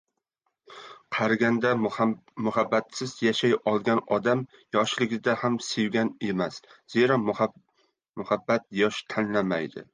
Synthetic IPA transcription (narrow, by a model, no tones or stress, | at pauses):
qʰɑɾɡʲand̪amʊhabːat̪sɪzjaʃajɒlˠɡʲanɒd̪am | jɒʃlɪɡʲɪd̪ahamsewɡʲane̞masz̥e̞ɾam | mʊhabːat̪̚jɒʃt̪ʰanlamajd̪ɪ̰